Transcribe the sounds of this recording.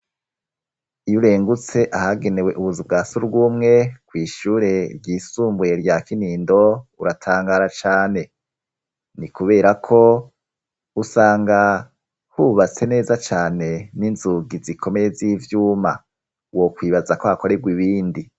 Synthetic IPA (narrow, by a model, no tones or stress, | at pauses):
ijuɾe̞ːŋɡut͡se̞ʔahaɡe̞ne̞we̞ʔuβuzib̚ɡaːsuɾuɡuːmŋe̞kwiːʃuːɾe̞ɾɟiːsuːmbujeɾɟakiniːndo̞uɾatʰaːŋɡaɾat͡ʃaːne̞ | nikuβe̞ːɾakʰo̞ | usaːŋɡa | huβat͡se̞ne̞ːzat͡ʃaːne̞ninzuɡizikʰo̞me̞je̞ziːvjuːma | wo̞kwiːβazakohako̞ɾe̞bɡwiβiːndi